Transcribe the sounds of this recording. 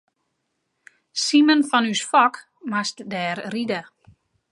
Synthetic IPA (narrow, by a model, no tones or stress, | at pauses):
simənfɔnysfɔk | mastdɛːrrida